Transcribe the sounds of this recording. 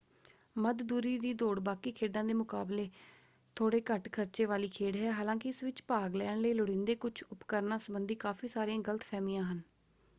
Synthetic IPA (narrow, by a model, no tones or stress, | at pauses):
məd̪d̪uːɾiːd̪iːd̪oːɽbaːkiːkʰeːɖãːd̪eːmʊkaːbleː | t̪ʰoːɽeːkəʈkʰəɾt͡ʃeːʋaːliːkʰeːɽɦɛːɦaːlãːkɪɪsʋɪt͡ʃpaːɡlɛːɳləiːlʊɽɪ̃nd̪eːkʊt͡ʃʰʊpkəɾnãːsəbənd̪iːkaːfiːsaːɾiãːɡələt̪pʰɛːmiːãːɦən